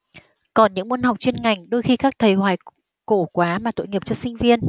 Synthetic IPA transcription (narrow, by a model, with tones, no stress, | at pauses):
kɔ˨˩nɲɨ̰˧˥ŋm˧nha˨˩wk͡p̚t͡ɕwi˧ənŋa˨˩jŋ̟ɗo˧jxi˧kaː˦˥k̚t̪ʰə˨˩jhwaː˨˩j | ko̰˧˩kwaː˨˦maː˨˩t̪o̰˧˨jŋi˨˩əp̚t͡ɕɔ˧sï˧ŋ̟vi˧ən